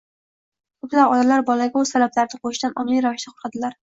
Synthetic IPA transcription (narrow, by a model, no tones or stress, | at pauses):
kʰʊplawɒd̪alaɾbɒlaɡʲaʊzt̪ʰalablaɾnɪqʰoʃd̪anʔɒmlijɾavɪʃt̪aqʰoɾqʰɑd̪ɪlaɾ